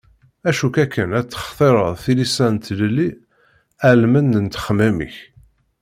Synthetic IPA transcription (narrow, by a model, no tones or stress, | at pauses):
æʃukækːənæt͡s̪ːə̥χt̪ˤeɾˤəðˤθilisænt̪ləlːi | ælmənːənt̪ə̥χəmæmḭç